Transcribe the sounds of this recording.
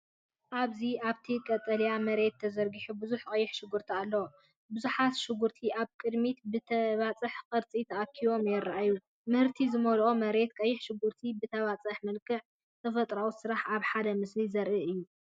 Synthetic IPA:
ʔaβziaβt̪ʰikʼɐt̪ʼːɐljamɐɾe̞t̪ʰːɐzɐɾɡiħubɨzuħkʼɐjːɪħʃɪɡuɾt̪ʰialːɐwo | bɨzuħat̪ʃɪɡuɾt̪ʰiʔaβkʼɨd̪mit̪bɨt̪ʰɐβat͡sʼɨħkʼɐɾt͡sʼit̪ʰɐʔakʰiwo̞mjɛɾaʔajːu | mɨhɨɾt̪ʰizɨmɐlʔomɐɾe̞t̪kʼɐjːɪħʃɪɡuɾt̪ʰibɨt̪ʰɐβat͡sʼɨħmɐlkʰɨʕ | t̪ʰɐfɐt̪ʼɾawusɨɾaħaβħad̪ɐmɨslizɐɾʔiʔɨjːu

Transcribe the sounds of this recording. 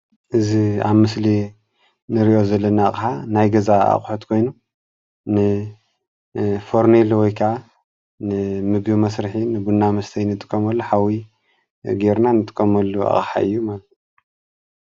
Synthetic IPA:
ʔɨzia̰βmɨsli | nɨɾiʔo̞zɐlːɐnaːχʼħanajɡɐzaa̰χʼħot̪kʰo̞jnu | nɨ | fo̞ɾnelwɔjkʰɐʕa | nɨmɨɡbimɐsɾɨħinɨbunːamɐst̪ʰɐjnɨt̪ʼɨ̥kʼːɐmɐlːuħawi | ɡeɾnanɨt̪ʼɨ̥kʼːɐmɐlːua̰χʼħa̰ʔɨ̰jːumalɐt̪

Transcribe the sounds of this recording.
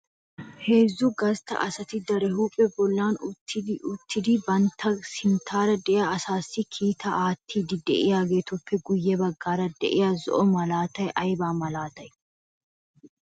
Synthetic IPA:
he̞ːzːʊɡɐst̪ɐ̰ʔɐsɐt̪ɪd̪ɐɾɛhuːpʼːɛbɔlːaːnʊt̪ʰːɪd̪ʊt̪ːɪd̪ɪbɐnt̪ʰːɐsɪnt̪ʰaːɾɐd̪ɛʔɪjaːsaːsːɪkʰiːt̪ɐʔaːt̪ʰːiːd̪ɪd̪ɛʔɪjaːɡe̞ːt̪ʊfːɛɡʊjːɛbɐɡːaːɾɐd̪ɛ̰ʔɪjazɔ̰ʔɔmɐlaːt̪ɐjʔɐjbaːmɐlaːt̪ɐj

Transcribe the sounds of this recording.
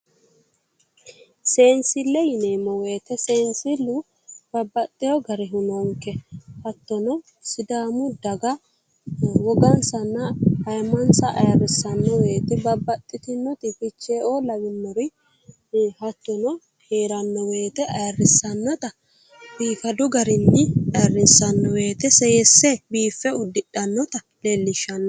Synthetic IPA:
se̞ːnsɪlːɛjɪneːmɔwe̞ːt̪ɛseːnsɪlːu | b̥ɐbːɐt̪ʼːɪjɔɡɐɾɪɦʊnɔŋkːɛhɐt̪ːɔnɔ | sɪd̪aːmʊd̪ɐɡɐ | wɔɡɐnsɐnːɐhɐjmɐnsɐʔɐ̰jɐrːɪsɐnːɔweːt̪ɛbɐbːɐt̪ʼːɪt̪ɪnːɔt̪ɪfɪt͡ʃːeːolɐbɪnːɔɾɔj | hɐt̪ːɔnɔ | heːɾɐnːɔweːt̪ɛɐjɐrːɪsːɐnːɔt̪ɐ | biːfɐd̪ʊɡɐɾɪnːɪɐjɐrːɪsːɐnːɔweːt̪ɛsɛjɛsːɛbiːfːɛʊd̪ːɪɗɐnːɔt̪ɐ | lelːɪʃɐnːɔ

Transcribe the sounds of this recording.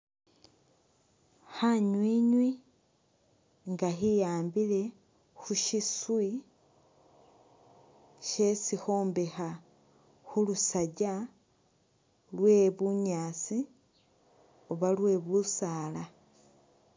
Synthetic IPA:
xaɲwiɲwi | ŋɡaxijaːmbile̞ | xuʃiswi | ʃe̞sixo̞ːmbe̞xa | xulusaɟa | lwe̞βuɲaːt͡si | oβalwe̞βusaːla

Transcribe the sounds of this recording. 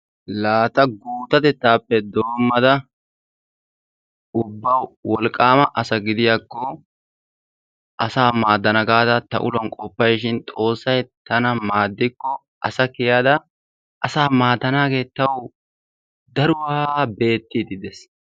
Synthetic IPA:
laːt̪ɐɡuːt̪ɐt̪ɛt̪ːaːpːɛd̪o̞ːmːɐd̪ɐ | ʊbːɐwwɔlkʼːaːmɐʔɐsɐɡɪd̪ɪjaːkːɔ | ʔɐsaːmaːd̪ːɐnɐɡaːd̪ɐt̪ɐ̰ʔʊ̰lɐnkʼɔpːɐjʃɪnt̪ʼo̞ːsːɐjt̪ɐnɐmaːd̪ːɪkːɔ | ʔɐsɐkɪjaːd̪ɐ | ʔɐsaːmaːd̪ːɐnaːɡe̞ːt̪ɐw | d̪ɐɾʊwɐabe̞ːt̪ːiːd̪ɪd̪ɛs

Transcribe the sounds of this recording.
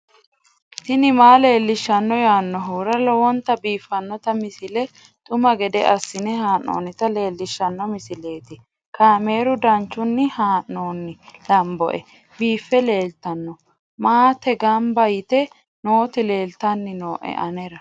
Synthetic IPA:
t̪ɪnɪmaːle̞ːlːɪʃːɐnːɔjaːnːɔɦuːɾɐlɔwɔnt̪ɐbiːfːɐnːɔt̪ɐmɪsɪlɛ | t̪ʼʊmɐɡɛd̪ɛ̰ʔɐsːɪnɛhaːnːo̞̰ːnɪt̪ɐle̞ːlːɪʃːɐnːɔmɪsɪle̞ːt̪ɪ | kʰaːme̞ːɾʊd̪ɐnt͡ʃːʊnːɪhaːnːoːnːɪlɐmbɔ̰ʔɛ | biːfːɛle̞ːlt̪ɐnːɔ | maːt̪ɛɡɐmbɐjɪt̪ɛ | no̞ːt̪ɪle̞ːlt̪ɐnːɪno̞ːʔɛ̰ʔɐnɛɾɐ

